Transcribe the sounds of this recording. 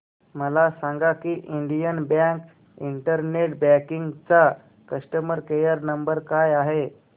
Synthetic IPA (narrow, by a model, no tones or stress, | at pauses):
məlasãŋɡakiːʔiɳɖijənbãk | iɳʈəɾneʈbækiŋɡt͡sa | kəsʈəməɾkejəɾnəmbəɾkajaɦe